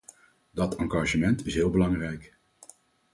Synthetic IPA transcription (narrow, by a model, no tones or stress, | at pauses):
dɑtɑŋɡɑʒəmɛntɪsɦɪːlˠbəlɑŋrɛjk